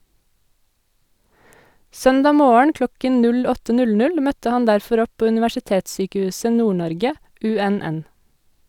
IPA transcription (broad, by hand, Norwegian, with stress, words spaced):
ˈsœndɑː ˈmoːəɳ ˈklɔkən ˈnʉl ˈɔtə ˈnʉl ˈnʉl ˈmœtə ˈhɑn ˈdæɾfɔɾ ˈɔp ˈpoː ʉnɪʋæʃɪˈteːtˌsyːkəˌhʉːsə ˈnuːˌɳɔɾɡə ˈʉˌɛˌnɛn